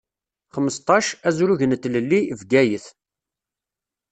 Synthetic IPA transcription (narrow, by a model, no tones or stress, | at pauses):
χəmːəst̪ˤɑʃæzɾuʝənt̪ːləlːivɡæjəθ